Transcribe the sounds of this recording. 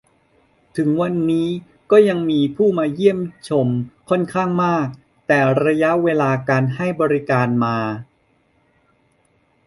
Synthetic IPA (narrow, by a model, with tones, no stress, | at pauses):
t̪ʰɯ˩˦ŋwa˧nːiː˦˥ | kɔː˥˩ja˧ŋmiː˧pʰuː˥˩maː˧ji˥˩əmt͡ɕʰo˧mkʰɔ˥˩nkʰaː˥˩ŋmaː˥˩k̚ | t̪ɛː˨˩ɾa˧ja˦˥ʔweː˧laː˧kaː˧nɦa˥˩jbɔː˧ɾi˦˥kaː˧nmaː˧